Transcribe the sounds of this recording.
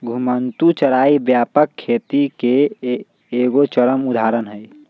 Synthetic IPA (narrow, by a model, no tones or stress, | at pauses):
ɡʱumənt̪ut͡ʃəɾaːibjaːpəkʰːet̪ikeː | ɡot͡ʃəɾəmud̪ʱaɾənɦəj